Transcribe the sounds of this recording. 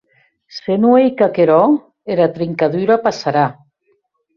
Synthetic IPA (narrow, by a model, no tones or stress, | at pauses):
senuejkakeɾɔ | eɾat̪ɾiŋkaðyɾapasaɾa